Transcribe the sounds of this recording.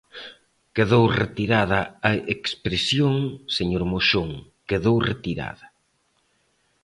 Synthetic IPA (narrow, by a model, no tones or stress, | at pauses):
keðowret̪iɾaðɐɐekspɾesjoŋseɲoɾmoʃoŋ | keðowret̪iɾa̰ðɐ